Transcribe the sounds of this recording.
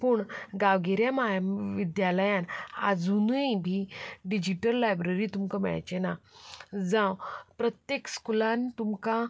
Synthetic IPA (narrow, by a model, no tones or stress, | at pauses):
puɳɡaʋɡeɾjamaʋid̪jaləjãna̰d͡zunujbʱiɖid͡ʑiʈəlːajbɾəɾiːt̪umkəmɛ̰ɭa̰jt͡ɕena | d͡zãwpɾət̪jekskulãnt̪umka